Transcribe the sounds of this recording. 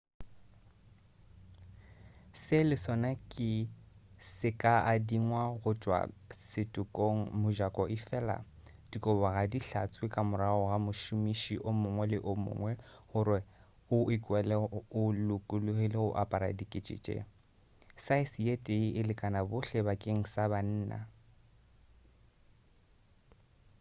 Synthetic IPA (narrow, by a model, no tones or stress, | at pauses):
sɪlɪsɔnakʼɪ | sɪkʼaʔadiŋwaɣʊt͡ʃʼwa̰sɪtʼʊkʼoŋ̩mʊʒakʼɔʔɪfɛla̰ | d̥ikʼɔbaɣadiɬa̰t͡sʼwɪkʼamʊɾaɣɔɣamʊʃʊmiʃiʔʊmʊŋwɛlɪʔʊmʊ̰ŋwɛɣʊɾɪ | ʊʔɪkʼwɛlɛʊlʊkʼʊlʊɣelɪɣʊʔapʼaɾa̰dikʼɪt͡ʃʼḛt͡ʃʼɛ̰ | saɪsietʼeiʔɪlɪkʼanabʊɬɛbakʼeŋ̩saban̩ːna̰